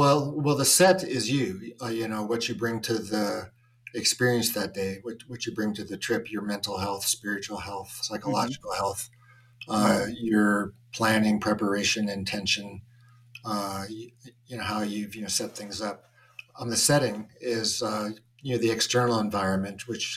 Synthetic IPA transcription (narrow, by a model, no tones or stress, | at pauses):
wɛlˠwɛlˠðəsɛɾɪzjɨjɨnoʊwʌt͡ʃɨbɹɪ̃ŋtʰɨði | ɨkspɪɹiɨ̃nsðɨt̚d̥eɪwʌt͡ʃwʌt͡ʃɨbɹɪ̃ŋtʰɨðɨtʰɹ̥ɪpʰjə˞mɛ̃ntˡl̩ˠhɛlˠθspɪɹɨt͡ʃul̩ˠhɛlˠθsaɪkəllɑd͡ʒɨkl̩ˠhɛlˠθ | ʌjə˞pʰl̥æ̃nɪ̃ŋpʰɹ̥ɛpə˞eɪʃɨ̃nɨ̃ntʰɛ̃nʃɨ̃n | jɨnoʊhaʊjʉvjɨnoʊsɛt̪̚θɪ̃ŋzʌp̚ | nðɨsɛɾɪ̃ŋɪz | jɨnoʊðiɨkstɜ̃˞nl̩ˠə̃ɱvaɪɹɨ̃nmɨ̃nʔwɨt͡ʃ